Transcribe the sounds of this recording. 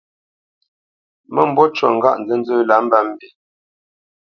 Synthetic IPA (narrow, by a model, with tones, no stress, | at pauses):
mə˦m̩˦bɔ˦t͡ʃwɔ˨ŋ̩˨ɡa̰˦ʔn̩˨d͡zə˦n̩˦d͡zə˦la˨˦m̩˦ba˦m̩˦bi˨